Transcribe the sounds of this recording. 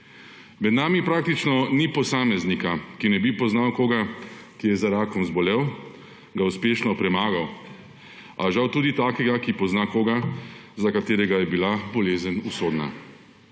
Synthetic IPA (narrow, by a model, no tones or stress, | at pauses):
mɛd̪naːmipɾaːk̚t̪it͡ʃnɔnipɔsaːmɛznikakinɛbipɔznawkoːɡakijɛzaɾaːkɔmzbɔlɛw | ɡauspeːʃnɔpɾɛmaːɡaw | aʒawt̪uːd̪it̪aːkɛɡakipɔznakoːɡazakat̪eːɾɛɡajɛbilabɔleːzənusoːd̪na̰